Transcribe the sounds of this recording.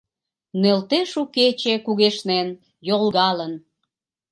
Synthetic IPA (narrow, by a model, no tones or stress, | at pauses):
nelt̪eʃuket͡ɕekuɣeʃnen | jolɣɑlən